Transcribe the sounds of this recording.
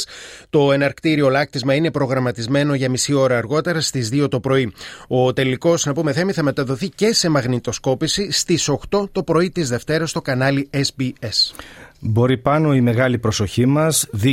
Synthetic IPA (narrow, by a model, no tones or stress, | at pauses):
st̪o̞e̞nɐɾkt̪iɾio̞lɐk̚t̪izmɐine̞pɾo̞ɣɾɐmɐt̪izme̞no̞ʝɐmisio̞ɾɐːɾɣo̞t̪e̞ɾɐst̪izðio̞t̪o̞pɾo̞io̞t̪e̞liko̞snɐpume̞θe̞miθɐme̞t̪ɐðo̞θice̞se̞mɐɣnit̪o̞sko̞pisist̪iso̞xt̪o̞t̪o̞pɾo̞it̪izðe̞ft̪e̞ɾɐst̪o̞kɐnɐliesbiesbo̞ɾipɐno̞ime̞ɣɐlipɾo̞so̞çimɐzði